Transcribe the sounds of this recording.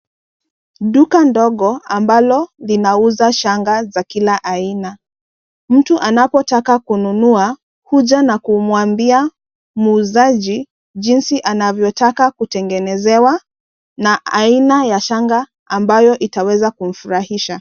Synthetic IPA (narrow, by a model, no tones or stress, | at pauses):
ɗukandɔɠɔambalɔlinauzaʃaŋɡazakilaʔaina | m̩tuʔanapɔtakakununua | huʄanakumwambia | mːzaʄi | ʄinsiʔanavjɔtakakutɛŋɡɛnɛzɛwa | naʔainajaʃaŋɡa | ambajɔʔitawɛzakum̩fuɾahiʃa